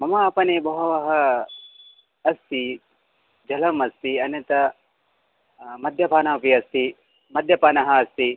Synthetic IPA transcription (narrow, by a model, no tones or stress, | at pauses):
mɐmaɐpɐnebɐɦɐʋɐɦɐ | ɐst̪i | d͡ʒɐlɐmɐst̪iɐnɐt̪ɐ | mɐd̪ʱjɐpaːnaːpiɐst̪i | mɐd̪ʱjɐpaːnɐɦɐːst̪i